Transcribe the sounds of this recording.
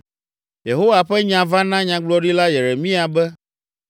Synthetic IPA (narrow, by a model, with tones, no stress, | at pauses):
je˨ɦo˦wa˨ɸɛ˦ɲã˨vã˦nã˦ɲã˨ɡ͡blɔ˦ɖi˦la˦je˨ɾe˨mĩ˦a˨bɛ˦